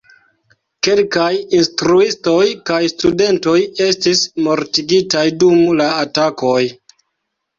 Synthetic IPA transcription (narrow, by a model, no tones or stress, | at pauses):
ke̞lkajinstɾuisto̞jkajstude̞nto̞je̞stismo̞ɾtiɡitajdumlaːtako̞j